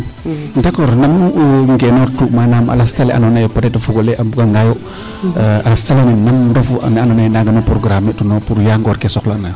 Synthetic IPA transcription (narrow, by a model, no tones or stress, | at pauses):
ndakɔɾnamuŋɡenoɾtukmanamʔa̰lastaleʔa̰nonajopatetafuɡoleʔabukaŋɡajo | alastaleninamdofunanonajnaɡanopɾoɡɾametunopuɾjaŋɡɔɾkesɔklaanaj